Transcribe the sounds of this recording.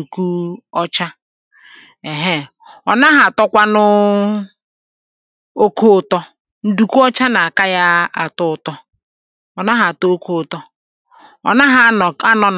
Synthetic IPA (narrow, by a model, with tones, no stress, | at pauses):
u˨ku˦ɔ˦t͡ʃa˦ | e˨ɦe˦˨ | ɔ˨na˦ɦa˨tɔ˦kʷa˦nʊ˦ | o˦kʰo˦˨tɔ˦ | n̩˦du˨ku˦ɔ˦t͡ʃa˦na˨a˨ka˦ja˦a˨tʊ˦ʊ˨tɔ˦ | ɔ˨na˦ɦa˨to˦o˦ko˦˨tɔ˦ | ɔ̰˨na˦ɦa˦˨a˦nɔ˨n˨